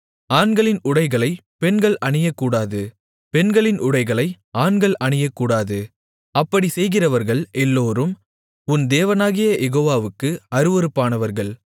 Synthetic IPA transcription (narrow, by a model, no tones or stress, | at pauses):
aːnɡɐɭɪnʊɽɐɪɣɐɭɐɪpɛnɡɐɭɐɳɪjɐkːuːɽaːðɯ | pɛnɡɐɭɪnʔʊɽɐɪɣɐɭɐɪ | aːnɡɐɭʔɐɳɪjɐkːuːɽaːðɯ | ɐpːɐɽisɛjɣɪrɐʋɐɾɣɐɭɛlːoːɾɯm | ʊnd̪eːʋɐnaːɣɪjɐjɛɣoːʋaːʋɯkːɯɐɾɯʋɐɾɯpːaːnɐʋɐɾɣɐɭ